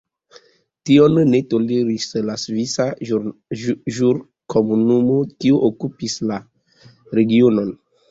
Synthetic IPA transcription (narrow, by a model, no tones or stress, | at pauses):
tionnetoleɾislasvisa | ʒuɾ | kʰomunumokioʔokupisla | ɾeɡionon